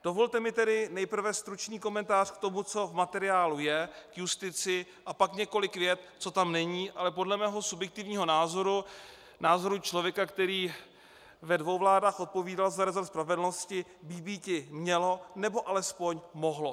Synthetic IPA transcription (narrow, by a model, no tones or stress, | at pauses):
d̥o̞vo̞lt̪ɛmɪt̪ɛdɪnɛjpr̩vɛst̪ɾut͡ʃniːko̞mɛnt̪aːr̝̥kt̪o̞mut͡so̞vmat̪ɛɾɪaːlujɛkjust̪ɪt͡sɪ | ʔapakɲɛko̞lɪkvjɛt̪t͡so̞t̪amnɛɲiːʔalɛp̬o̞dlɛmɛːɦo̞subjɛk̚t̪ɪvɲiːɦo̞naːzoɾu | naːzo̞ɾut͡ʃlo̞vjɛkakt̪ɛɾiː | vɛdvowvlaːdaːxʔo̞t̪̚po̞viːdalzaɾɛzoɾt̪spɾavɛdl̩lno̞scɪbibiːcɪmɲɛlo̞nɛbo̞ʔalɛspo̞ɲmo̞ɦlo̞